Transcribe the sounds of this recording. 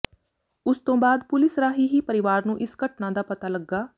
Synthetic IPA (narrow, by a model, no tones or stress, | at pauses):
ʊst̪õːbaːd̪pʊlɪsɾaːɦiːɦiːpəɾɪʋaːɾnũːʔɪsɡəʈnãːd̪aːpət̪aːləɡːaː